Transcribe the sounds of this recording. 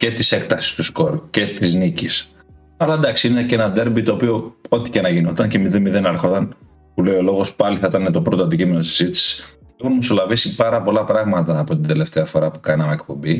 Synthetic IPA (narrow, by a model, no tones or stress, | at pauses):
ce̞t̪ise̞k̚t̪ɐsi̥st̪usko̞ɾce̞t̪iznicis | ɐlɐed̪ɐksiinencenɐd̪e̞ɾbit̪o̞ːpio̞o̞t̪i̥cenɐʝinot̪ɐnce̞miðenmiðe̞nɐɾxo̞t̪ɐn | pule̞io̞lo̞ɣo̞spɐliθɐit̪ɐnet̪o̞pɾot̪oɐnd̪icime̞nosizit̪isi̥s | exunmoso̞lɐvisipɐɾɐpo̞lɐpɾɐɣmɐt̪ɐːpo̞t̪ind̪e̞le̞ft̪eɐfo̞ɾɐpu̥kɐnɐmeek̚po̞bi